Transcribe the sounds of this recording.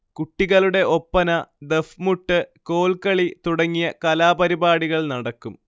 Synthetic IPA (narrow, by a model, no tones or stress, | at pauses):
kuʈːiɣɐluɽe̞ʔo̞pːɐnɐd̪efmuʈːɨko̞ːɭkɐɭit̪uɽɐŋːijɐkɐlaːpɐɾibaːɽiɣɐɭnɐɽɐkːum